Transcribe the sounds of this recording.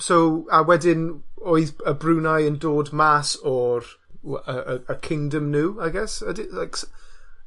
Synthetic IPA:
sowawɛdɪnoɨðəbruːnajəndoːdmasɔr | əəəkʰɪ̃ŋdəmnuːajɡɛsədɪlajks

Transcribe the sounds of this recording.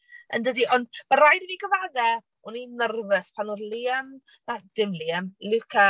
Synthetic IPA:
ə̰ndədiʔɔndb̥aɾajdəviːɡəvaðɛ | uninərvəspʰanoðliːəm | ad̥ɪmliəmlukʰa

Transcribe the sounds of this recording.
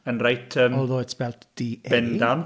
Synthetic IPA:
ənrajtʰəːmɔlˠðoːtsbɛlˠtd̥ibɛndan

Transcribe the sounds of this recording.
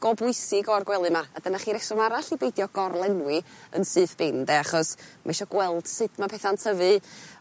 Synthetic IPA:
ɡ̥ɔbʊɨsɪɡɔrɡwɛlˠɨmaad̥ənaχiːɾɛsɔmaɾaɬibejdjɔɡ̥ɔrlˠɛnwɪə̰nsɨːθb̥ɪndɛaχɔsmʔa̰ʃɔɡ̥wɛlˠd̥sɨdmapʰɛθantʰəvɨ

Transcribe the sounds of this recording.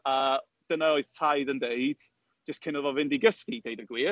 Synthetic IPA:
əː | d̥ənaoɨð̥tʰajðəndeɨd̥ | d͡ʒ̥əskʰɪnəvɔvɪndiɡəskideɨdəɡwiː

